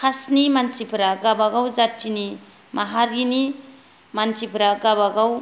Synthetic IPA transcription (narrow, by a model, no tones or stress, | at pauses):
kʰasnimansipʰɾaɡabaɡawzatːini | maɦaɾini | mansipʰɾaɡabaɡaw